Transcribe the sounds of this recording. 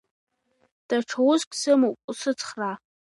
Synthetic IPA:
d̥aʈ͡ʂʰawʊzkʲʼsɨmowpʼusɨt͡sʰχra

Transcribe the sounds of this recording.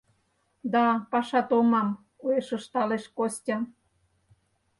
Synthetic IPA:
d̪ɑpɑʃɑt̪omɑm | kueʃə̆ʃt̪ɑleʃkostʲɑ

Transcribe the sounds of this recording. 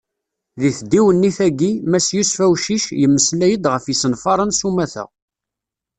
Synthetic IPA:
ðiθd̪iwənːiθæɡimæsjusfæwʃiʃjəmːəslæjəd̪ʁəfjisənfɑɾˤənsumæθə̰ʁ

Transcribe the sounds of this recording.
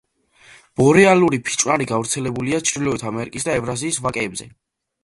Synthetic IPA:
b̥ɔɾɛaluɾipʰi̥t͡ʃʼwnaɾiɡavɾt̪sʰɛlɛbuliat͡ʃʰɾilɔɛt̪ʰamɛɾikʼisd̪aɛvɾaziːsvakʼɛːbzɛ̰

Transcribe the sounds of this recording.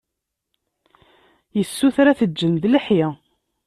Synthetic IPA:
jəsːuθɾæθəd͡ʒːənðləħjɪ

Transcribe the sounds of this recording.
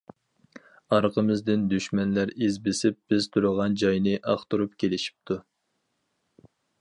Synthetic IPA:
ɑɾqʰəmɪzd̪ɪnd̪yʃmɛnlæɾezbɪsɪp̚b̥ɪz̥t̪ʰuɾəʁɑnd͡ʒɑjnɨʔɑχt̪uɾupkʲʰelɪʃi̥p̚t̪ʰu

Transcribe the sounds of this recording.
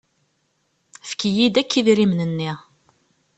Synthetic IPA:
fkijid̪ækːiðɾimnənːi

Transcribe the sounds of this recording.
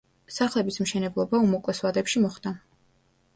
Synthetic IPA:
saχlɛbismʃɛnɛblˠɔbaumɔkʼlɛswad̪ɛpʃimɔχd̪a

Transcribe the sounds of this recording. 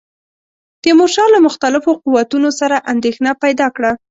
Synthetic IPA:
t̪əmoʃɑlamʊxt̪alɪfoquwat̪unosaɾaʔand̪exnapajd̪ɑkɽa

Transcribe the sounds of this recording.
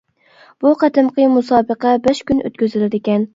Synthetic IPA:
b̥uqʰæt̪ɨmqʰəmusɑːbəqæbæʃkʲynø̰t̪̚kʲyzɪlɪd̪ɪkʲɛn

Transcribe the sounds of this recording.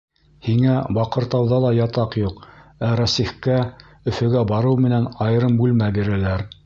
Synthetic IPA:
hiŋæbɑqɤ̆ɾt̪ɑwðɑlˠɑjɑt̪ɑqjuqæɾæsiχkæ | ɵ̆fɘ̆ɡæbɑɾɤwmɘ̆nænɑjɤ̆ɾɤmbʉlmæbiɾælæɾ

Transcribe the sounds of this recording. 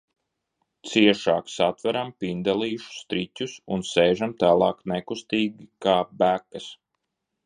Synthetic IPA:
t̪siɛʃaːksat̪væɾampind̪alˠiːʃu̥st̪ɾitʲusunsɛːʒamt̪aːlˠɑːknɛkust̪iːɡʲikaːbækɐs

